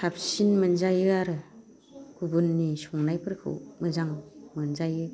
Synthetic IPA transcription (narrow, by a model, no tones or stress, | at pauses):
sʰap̚sinmɯnzajɯaɾɯ | kʰubunːisɔŋnajpʰɯɾkʰɯ̰wmɯzaŋmɯnzajɯ